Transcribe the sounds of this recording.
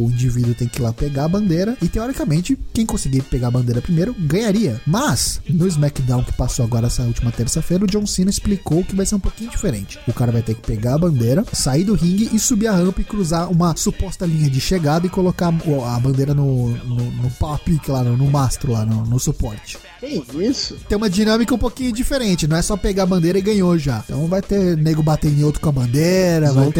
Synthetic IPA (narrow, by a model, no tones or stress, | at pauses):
ʊĩd͡ʒivid̪ʊt̪ẽj̃kɪlapeɡaɐbɐ̃nd̪eɾɐɪt̪eɔɾikɐmẽnt͡ʃɪkẽj̃kõsɪɡiɾpeɡaɐbɐ̃nd̪eɾɐpɾimejɾʊɡɐ̃ɲaɾiɐmɐsnʊɪzmɛkd̪ãw̃kɪ̥pasowaɡɔɾɐnɛsɐut͡ʃimɐt̪eɾsɐfeɾɐʊd͡ʒõsĩnɐɪsplikowʊkɪvajseɾũpokĩɲʊd͡ʒifeɾẽnt͡ʃɪ̥ʊkaɾɐvajt̪eɾkɪ̥peɡaɐbɐ̃nd̪ejɾɐːaid̪ʊhĩŋɡɪʔɪsubiɐhɐ̃mpɐɪkɾuzaũmɐsupɔst̪ɐlĩɲɐd͡ʒɪʃeɡad̪ɐɪkolokaʊɐbɐ̃nd̪eɾɐnʊnʊnʊpapikɪlanʊnʊmast̪ɾʊlanʊnʊsupɔɾt͡ʃɪ̥t̪ẽj̃isʊt̪ẽj̃ũmɐd͡ʒinɐ̃mikɐũpokĩɲʊd͡ʒifeɾẽnt͡ʃɪnɐ̃w̃ɛsɔpeɡaɐbɐ̃nd̪eɾɐɪɡɐ̃ɲoʒat̪ɐ̰̃w̃vajt̪eneɡɾʊbat̪ẽẽowt̪ɾʊ̥kõɐbɐ̃nd̪eɾɐvajt̪